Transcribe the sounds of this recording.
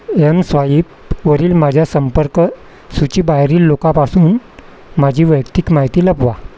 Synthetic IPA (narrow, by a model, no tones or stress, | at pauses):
emsʋaiːp | ʋəɾiːlmad͡ʑʱjasəmpəɾk | sut͡ɕiːbaɦɾiːlːokãpasuːn | mad͡ʑʱiːʋəjkt̪ikmaɦit̪iːləbʋa